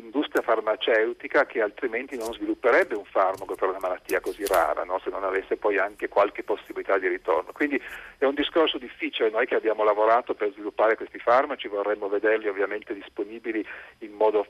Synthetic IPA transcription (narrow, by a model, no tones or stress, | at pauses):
ind̪ust̪ɾjafarmat͡ʃɛwt̪ikak̟ealt̪ɾiment̪inonzvilupːeɾɛbːeuɱfarmakopeɾunamalat̪ːiːakozira̰ːɾa̰nɔsenːonavesːepɔjaŋkekwalk̟epːosːibilit̪ad̪iɾit̪o̰rnokwind̪iɛund̪iskorsod̪ifːiːt͡ʃilenojkeabjaːmolavoɾaːt̪operzvilupːaːɾekwest̪ifarmat͡ʃivorːɛmːoved̪erliovːjament̪ed̪isponiːbiliːmːɔːd̪o